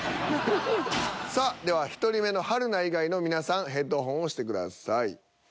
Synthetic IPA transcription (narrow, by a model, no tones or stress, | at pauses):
sad̪e̞βaçi̥t̪o̞ɾʲime̞no̞haɾɯ̟naiɡaino̞mʲinasãɰ̃ɦe̞t̪ːo̞ːɦõɰ̃o̞ɕi̥t̪e̞kɯ̟d̪a̰saḭ